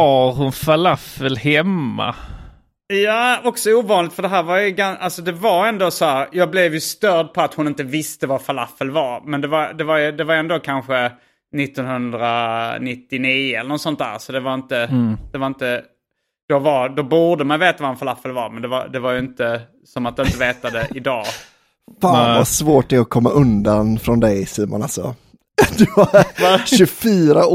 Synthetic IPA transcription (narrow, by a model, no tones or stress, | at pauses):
aɾhʊnfalafəlhɛmːa̰ | jaːɔksɔuːvɑːnlɪt̪fœɖ̪ɛɦæːɾvaɾjɵɡanalsɔd̪ɛvaɾɛnd̪oːsɔhæːɾjɑːɡ̚blɛvjɵst̪œɾd̪̚pʰɔat̪hʊnɪnt̪əvɪst̪əvafala̰fəlvɑɾmɛnd̪ɛvaɾd̪ɛvaɾjɵd̪ɛvaɾɛnd̪oːkʰanɧə | nɪt̪ːɔnhɵnd̪ɾanɪt̪ːɪniːəɛləɾnɔt̪sɔnt̪d̪æ̰ːɾsɔd̪ɛvaɾɪnt̪əd̪̥ɛvaɾɪnt̪ə | d̪̥ɔvaɾd̪ɔbuːd̪əmanveːt̪avaanfalafːəlvaɾmɛnd̪ɛva̰d̪ɛvaɾjɵɪnt̪ə | sɔmat̪̚d̪ɛnɪnt̪əveːt̪ad̪ɛʔɪd̪ɑː | faːnvasvoːʈ̪ɛɔkʰɔmːaʔɵnd̪anfɾɔnd̪ɛjsyːmɔ̰nalsɔ̰ | d̪ɵvaɾaɕɵfyːɾa